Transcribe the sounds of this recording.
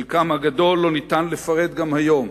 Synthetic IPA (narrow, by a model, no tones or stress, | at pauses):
ilkamhaɡad̪o̞lːo̞nit̪anlefaʁe̞d̪ɡamhajo̞m